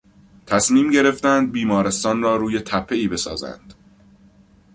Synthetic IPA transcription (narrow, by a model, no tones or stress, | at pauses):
t̪ʰæsmiːmɟe̞ɾe̞ft̪ænd̪̚biːmɒːɾe̞st̪ɒːnrɒːɾuːje̞t̪ʰæpʰːe̞iːbe̞sɒ̰ːzæ̰nd̪̥